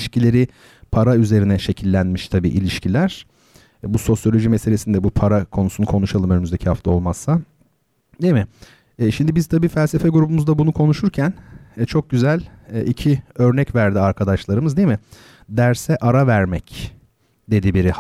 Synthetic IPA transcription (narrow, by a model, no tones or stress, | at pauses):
ʃcilʲe̞ɾɪ | pʰaɾayze̞ɾinɛʃe̞cʰilʲːænmiʃt̪ʰabḭːʔilʲiʃcilʲæɾ̥ | buso̞sjo̞lʲo̞ʒimese̞lʲesind̪ɛbupʰaɾakʰo̞nusunkʰo̞nuʃalˠɯmø̞nymyzd̪e̞cʰihaft̪ʰao̞lˠmassa | d̪emɪː | ʃimd̪ibizt̪ʰabiːfælʲsefɛɡuɾubumuzd̪abunukʰo̞nuʃuɾcʰænːt͡ʃʰo̞k̚ɟyzælʲːicʰiø̞ɾnɛcvæɾd̪iaɾkʰad̪aʃlˠaɾɯmɯzd̪emɪ | d̪æɾsɛʔaɾavæɾmɛc | d̪e̞d̪ibiɾi